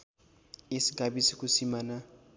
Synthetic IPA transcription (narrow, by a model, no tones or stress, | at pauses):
isiɡabisikusimaːna